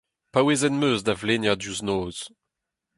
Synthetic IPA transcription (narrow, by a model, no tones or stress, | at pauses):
paweːzɛnmøːzd̪avleːnjad̪juznoːz̥